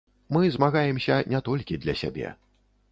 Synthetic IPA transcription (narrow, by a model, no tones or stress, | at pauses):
mɨzmaɣajɛmsʲɐnʲat̪ɔlʲkʲid̪lʲɐsʲa̰bʲɛ̰